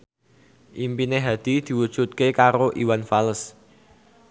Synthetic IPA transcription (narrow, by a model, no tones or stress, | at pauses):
ʔimpineɦad̪̥i̤d̪̥i̤wud̥ʒ̥ṳt̪̚kekaɾoʔiwanfaləs